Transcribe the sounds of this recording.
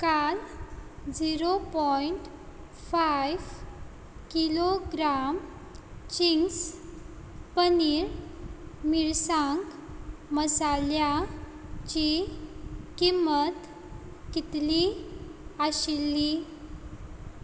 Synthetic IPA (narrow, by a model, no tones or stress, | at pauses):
kal | d͡ʑiɾopɔiɳʈ | fajʋ | kiloɡɾam | t͡ɕiŋs | pəniɾ | miɾsãŋkməsalja | t͡ɕi | kimət̪ | kit̪li | aɕilːi